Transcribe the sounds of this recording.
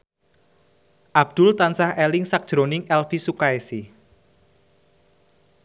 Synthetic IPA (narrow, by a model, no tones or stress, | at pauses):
ʔab̚d̪̥ʊlt̪ansahɛlɪŋsak̚d̥ʒ̥ɾonɪŋʔɛlfisukaesi